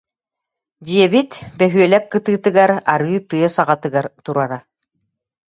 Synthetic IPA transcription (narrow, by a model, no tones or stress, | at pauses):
d͡ʑiɛbit̪bɛɦyœlɛkːɯt̪ɯːt̪ɯɡaɾaɾɯːt̪ɯɐsaʁat̪ɯɡaɾt̪uɾaɾa